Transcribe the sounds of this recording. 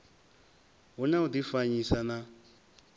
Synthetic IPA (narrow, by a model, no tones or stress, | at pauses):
ɦunaud̪ifaɲisana